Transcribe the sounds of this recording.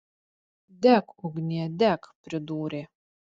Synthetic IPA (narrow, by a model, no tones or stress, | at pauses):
d̪ʲækʊɡnʲiɛd̪ʲækpʲɾʲɪd̪uːɾʲe